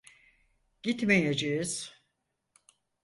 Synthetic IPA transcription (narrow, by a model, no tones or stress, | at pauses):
ɟ̥it̪mejed͡ʒejiz̥